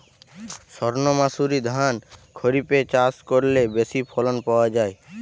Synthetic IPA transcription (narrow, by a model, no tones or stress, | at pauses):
sɔɾnomasuɾid̪ʱankʰoɾipet͡ɕaskoɾlebesipʰɔlonpaoad͡ʑae